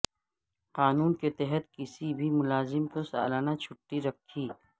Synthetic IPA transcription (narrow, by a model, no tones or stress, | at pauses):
qaːnuːnket̪ɛɦət̪̚kɪsibʱimʊlaːzɪmkosa̰ːlaːnat͡ʃʰʊʈːiɾɐkʰːiː